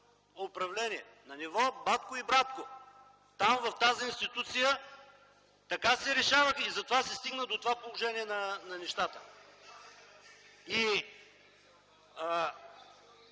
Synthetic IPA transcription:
opɾɐvlɛniɛ | nɐnivɔbat̪kʊibɾat̪ko | t̪amvɐft̪aziinst̪it̪ut̪sijə | t̪ɐkasɛɾɛʃavəxizɐt̪ovasɛst̪iɡnəd̪ot̪ovapolˠoʒɛniɛnɐnɐnɛʃt̪at̪ə | i

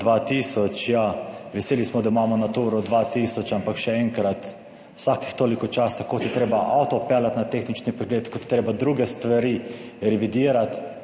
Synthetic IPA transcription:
d̪ʋat̪isɔt͡ʃjaʋɛseːlismɔd̪aimaːmɔnat̪uːɾɔd̪ʋat̪iːsɔt͡ʃampakʃɛɛŋkɾat̪ | wsaki̥xt̪oːlikɔt͡ʃasakot̪jɛt̪ɾeːbaʔawt̪ɔpɛːlat̪nat̪eːxnit͡ʃnipɛɡlet̪kɔt̪jɛt̪ɾeːbad̪ɾuːɡɛst̪ʋaɾiːɾɛʋid̪iːɾat̪

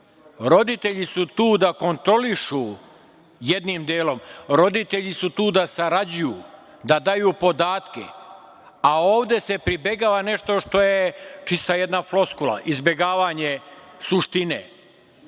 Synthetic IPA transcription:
ɾo̞d̪it̪e̞ʎisut̪uːd̪ako̞nt̪ɾo̞liʃu | jed̪nimd̪eːlo̞mɾo̞d̪it̪e̞ʎisut̪uːd̪asaɾad͡ʑuju | d̪ad̪ajuːpo̞d̪aːt̪kḛ | ao̞ːʋd̪e̞se̞pɾibe̞ɡaːʋane̞ʃt̪o̞ʃt̪o̞je̞t͡ʃist̪aje̞d̪naflˠo̞skulˠa̰ʔizbje̞ɡaːʋaɲesuʃt̪inḛː

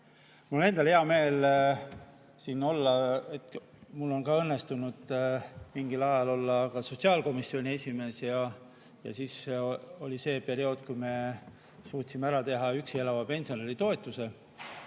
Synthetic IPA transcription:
mulne̞nd̪ɑlheɑme̞ːl | sino̞lːɑet̪ | mulːo̞nkɑɤnːe̞st̪unud̪̥miŋɡ̥ilɑjɑlo̞lːɑkɑso̞tʲsiɑlko̞misːio̞nʲie̞sʲime̞ːsjɑ | jɑ̰siːso̞lʲise̞ːpe̞ɾio̞ːd̪̥kujme̞ | suːt̪simeæɾɑt̪e̞ɦɑyksie̞lɑvɑpe̞nsio̞nelit̪o̞et̪ːˑuse̞

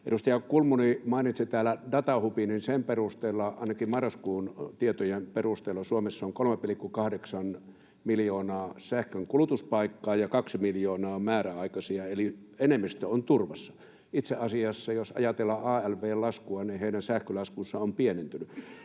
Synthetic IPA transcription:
ḛdust̪ɑjɑkulmunimɑˑinit̪sit̪æːlædɑt̪ɑhupininsemperust̪eːlːɑɑ̰ˑinɑkimmɑrːɑskuːnt̪iet̪ojemperust̪eːlːosuomesːɑoŋkolmepilikːukɑhdeksɑn | miljoːnɑːsæhkøŋkulut̪uspɑikːɑːjɑkɑksimiljoːnɑːmæːræɑˑikɑsiɑelienemːist̪øont̪urʋɑsːɑ̥ | it̪seʔɑsiɑsːɑjosɑ̰jɑt̪elːɑʔɑːælʋeːlɑskuɑniheˑinænsæhkølɑskusːɑompienent̪yny

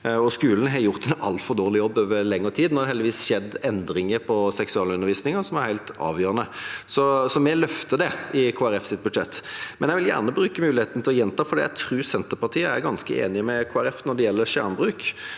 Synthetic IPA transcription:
ɔskʉːln̩ɦɑjʊʁt̪ɛnɑlfɔɾd̪oːʁlɪjɔbːøːʋəɾlɛŋːəɾt̪ʰiːd̪nɔʁd̪ɛhɛld̪ɪʋiːsɕɛd̪ːɛnd̪ɾɪŋəɾpʰɔsɛksʉɑːləʉnəɾʋiːsnɪŋəsɔmæɾhæɪlt̪ɑ̰ːʋjøːɾənəsɔsɔmɛlœft̪əd̪ɛɪkʰoːæɾɛfsɪt̪̚bʉd̪ʂɛt̪ːmɛnjæɛʋɪljæ̰ːʁnəbɾʉːkəmʉːlɪheːt̪nət̪ɪlɔjɛnt̪ʰɑːfɔɾɛːjæɪt̪ʰɾʉːɾsɛnt̪əpɑʁt̪ʰiːəæɾɡɑnskəʔḛːnɪmɛkʰoːæɾɛfnɔɖ̪ɛjɛlːəɾʃæ̰ːʁnbʁʉːk

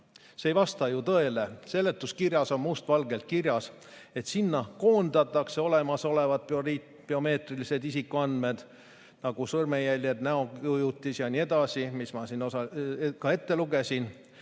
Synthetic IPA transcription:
seejvɑst̪ɑjut̪ɤ̞e̞le̞se̞lːe̞t̪ːˑuskirjɑso̞mːust̪vɑlɡe̞lt̪̚kirjɑs | e̞t̪sinːɑko̞ːnd̪ɑt̪ːˑɑkse̞o̞le̞mɑso̞le̞vɑd̪̥ | peo̞me̞ːt̪rilise̞d̪isikːˑuɑnd̪me̞d̪̥ | nɑɡ̥usɤrmejælʲjed̪næo̞ujut̪ːˑisjɑnʲie̞d̪̥ɑsimismɑsinosɑkɑe̞t̪ːe̞luɡe̞sin

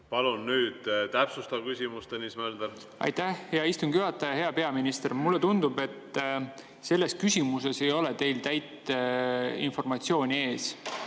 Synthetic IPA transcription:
pɑlunːyːd̪̥t̪æpsust̪ɑvkysʲimust̪enismæld̪e | ɑ̰jt̪æhjɑist̪unɡjyɑt̪ːˑɑjɑɦe̞ɑpe̞ɑminist̪e̞rmulːe̞t̪und̪̥ube̞t̪ː | se̞lːe̞skysʲimuse̞se̞jo̞let̪e̞jlt̪æjt̪ | ḭnfo̞rmɑt̪sio̞ːnʲie̞ːs

